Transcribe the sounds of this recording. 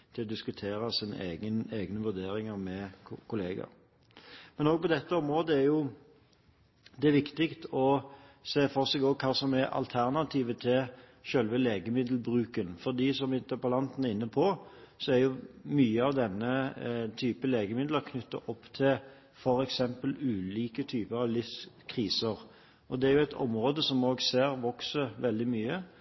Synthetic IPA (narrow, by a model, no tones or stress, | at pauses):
t̪ʰɪlɔd̪ɪskʉt̪ʰeːɾɑsiːnə̰ʔeːɡəneːɡnəʋʉɾd̪eːɾɪŋɑɾmɛkʰʊleːɡə̰ɾ | mɛnoːɡ̚pɔd̪ɛt̪ːəɔmɾoːd̪əæɾjʊ | d̪ɛʋɪkt̪ɪkt̪ɔseːfɔʁsɛɡoːkʰɑːsɔmæʔɑ̰lt̪ʰæʁnɑt̪ʰiːʋət̪ʰɪl | ʃølʋəleːɡəmɪd̪l̩bʁʉːkənfɔʁd̪iːsɔmɪnt̪əpɑlɑnt̪nɛʁɪnːəpʰɔsɔæɾjʊmyːəɑʋd̪ɛnːət̪ʰyːpəleːɡəmɪd̪ləʁkʰnʏt̪ːə̰ʔɔpːt̪ʰɪl | fɔɾɛksɛmpəlʉːliːkət̪ʰyːpəɾɑʋlɪfskʰʁiːsəʁ | ʔɔd̪ɛæɾjʊæɪt̪ʰɔ̰mʁoːd̪əsɔmoːɡseːʁʋɔksəʋɛld̪ɪmyːə